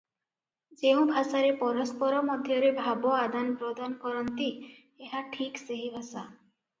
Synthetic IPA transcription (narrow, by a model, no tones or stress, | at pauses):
d͡ʒeũbʱasaɾepɔɾɔspɔɾɔmɔd̪ʱjɔɾebʱabɔad̪anpɾod̪ankɔɾɔnt̪i | eɦaʈʰikseɦibʱasa